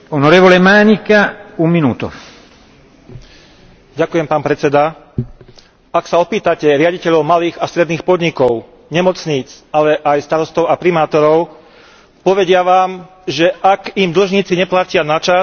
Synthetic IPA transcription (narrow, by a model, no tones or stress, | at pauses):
ɔnɔɾɛʋɔlɛmaːɲikaumːinuːt̪ṵ | ɟakujɛmpaːnpɾɛt͡sɛd̪a | aksaɔpiːt̪acɛɾɪaɟicɛʎɔʊmaliːɣast̪ɾɛd̪niːxpɔd̪ɲikɔʊ | ɲɛmɔt͡sɲiːt͡salɛʔajst̪aɾɔst̪ɔʊapɾimaːt̪ɔɾɔʊ | pɔʋɛɟɪaʋaːm | ʒɛʔakimd̪l̩ʒɲiːt͡siɲɛplacɪanat͡ʃa